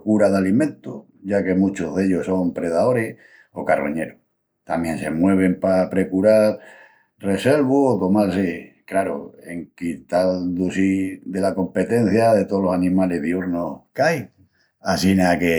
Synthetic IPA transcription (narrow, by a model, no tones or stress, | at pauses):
kuɾaðalimẽnt̪o | ɟ͡ʝake̞mũt͡ʃoðe̞ʎoso̞mpɾe̞ðao̞ɾeh | o̞̰karo̰ɲe̞ɾo | t̪a̰mjẽ̞nse̞̰mwe̞β̞e̞mpapɾe̞kuɾaɾ | re̞se̞lβuot̪o̞malse | klaɾo̰eŋkit̪ald̪usiðe̞lako̞mpe̞t̪ẽ̞n̟θjaðe̞t̪olosanĩmale̞ɦðiuɾnokaj | asinake